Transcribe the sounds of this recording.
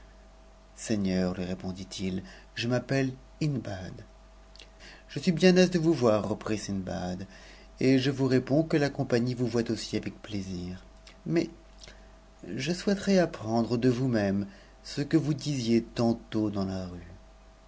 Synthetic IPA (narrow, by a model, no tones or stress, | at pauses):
sɛɲœʁlɥiʁepɔ̃d̪it̪ʰil | ʒəmapɛl | inbad̪ | ʒ̥əsɥibjɛ̃nɛzd̪əvuvwaʁːəpχisinba̰d̪ | eʒəvuʁepɔ̃kəlakɔ̃paɲivuvwat̪osiavɛk̚pleziːʁ | mɛ | ʒəswɛt̪χɛapχɑ̃d̪ʁəd̪əvumɛm | səkəvud̪izjet̪ɑ̃t̪od̪ɑ̃laʁy